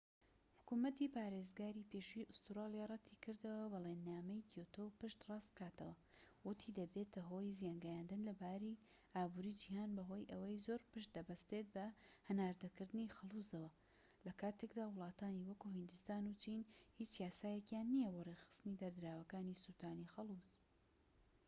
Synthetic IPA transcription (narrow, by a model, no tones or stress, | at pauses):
ħʊ̥kumɐt̪ipaːɾezɡaːɾipeʃiʔʊst̪uɾɑːlˠjarˤɑt̪ʰikʰɨɾd̪ɐwɐbɐlenːaːmɐjkʰewt̪ʰowpɨʃt̪rɑst̪kaːt̪ɐwɐ | wʊt̪ʰid̪ɐbe̞t̪ɐɦo̞jzijanɡajaːnd̪ɨnlɐbaːɾi | ʔaːbuɾid͡ʒihaːnbɐɦo̞jʔɐwɐjzoːɾpɨʃt̪̚d̪ɐbɐst̪et̪̚bɐhɨnaːɾd̪ɐkɨɾd̪ɨnixɐlˠuzɐwɐ | lɐkaːt̪ʰekd̪aːwʊlˠɑːt̪aːniwɐkuɦɨnd̪ust̪aːnut͡ʃinhit͡ʃjaːsaːjekjaːnːijɐboːrexɨ̥st̪ɨnid̪ɐɾd̪ɨɾaːwɐkaːnisut̪ʰaːnixɐlˠuz